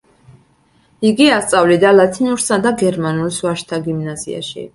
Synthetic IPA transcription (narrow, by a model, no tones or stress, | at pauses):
iɡiast̪sʼavlid̪alat̪ʰinuɾsad̪aɡɛɾmanulsvaʃt̪ʰaɡimnazḭa̰ʃḭ